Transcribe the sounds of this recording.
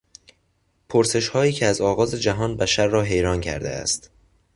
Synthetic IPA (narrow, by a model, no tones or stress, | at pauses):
pʰoɾse̞ʃhɒːiːcʰeæzɒːɣɒːze̞d͡ʒæɦɒːnbæʃæɾːɒːɦe̞jɾɒːncʰæ̰ɾd̪ḛæ̰st̪